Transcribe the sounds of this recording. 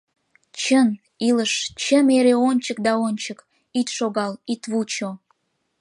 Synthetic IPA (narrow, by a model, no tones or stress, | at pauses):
t͡ɕən | iləʃt͡ɕəmeɾeonʲt͡ɕək̚d̪ɑonʲt͡ɕək | it̪ʃoɣɑlit̪βut͡ɕo